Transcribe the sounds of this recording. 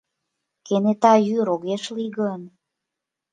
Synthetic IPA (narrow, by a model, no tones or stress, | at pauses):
kenet̪ɑjyɾoɣeʃliɣɤn